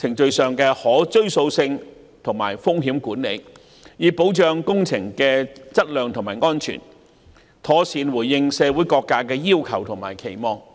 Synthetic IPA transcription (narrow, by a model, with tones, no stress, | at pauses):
t͡sʰɪ˨˩ŋt͡ʃɵ˧ɥsœː˨ŋkɛː˧hɔː˨˥t͡ʃɵ˥ɥso˧wsɪ˧ŋ | t̪ʰʊ˨˩ŋma̰ː˨˩jfʊ˥ŋɦiː˨˥mkuː˨˥nlḛ˨˧j | jiː˨˧po˨˥wt͡ʃœː˨˧ŋkʊ˥ŋt͡sʰɪ˨˩ŋkɛː˧t͡sɐ˥t̚lœː˨˧ŋt̪ʰʊ˨˩ŋmaː˨˩jŋɔː˥nt͡ʃʰy̰˨˩n | t̪ʰɔː˨˥siː˨˧nwuː˨˩jːɪ˧ŋsɛː˨˧wuː˨˥jkɔː˧kːaː˧kɛː˧jiː˥wkʰɐ˨˩wt̪ʰʊ˨˩ŋmaː˨˩jkʰe˨˩jmɔː˧ŋ